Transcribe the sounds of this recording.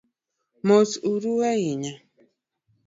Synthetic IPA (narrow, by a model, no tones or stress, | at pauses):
mot͡suɾuwaiɲa